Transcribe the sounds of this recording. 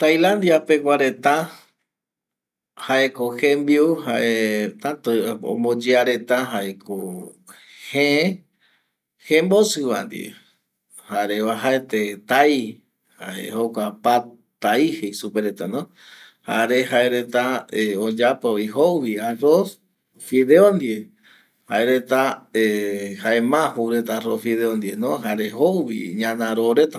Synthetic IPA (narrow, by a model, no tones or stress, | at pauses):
t̪ajlãnd̪iapekʷaɾe̞t̪a | haʔekohembiuhaʔet̪ãt̪oõ̰mbõd͡ʒeaɾe̞t̪aɦaʔeko | hẽe | hẽmbosɨβa̰nd̪ḭ | haɾeʋaɦaet̪et̪aj | haḛhokʷapa | t̪aihejsupeɾet̪anõ | ha̰ɾehaeɾet̪aeod͡ʒapoiɦowwiaros | fiðeond̪ie | haeɾet̪aehaemãhuɾet̪arofiðeond̪ienõɦaɾeɦoβḭɲãnãɾoɾet̪a